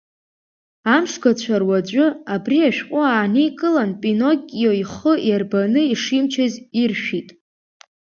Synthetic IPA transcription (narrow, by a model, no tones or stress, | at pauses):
amʂɡat͡ɕʷʰarwad͡ʒʷʼʊabriaʃᶣqʷʼʊaːnikʼɨlanpʼino̞kʲʼjoiχəjarbanɨiʂimt͡ʃʰazirʃᶣitʼ